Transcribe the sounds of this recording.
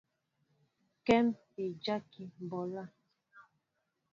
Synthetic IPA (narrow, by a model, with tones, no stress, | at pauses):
kɛ˦mpi˨d͡ʒa˦ki˨m˨bɔ˨la˦˨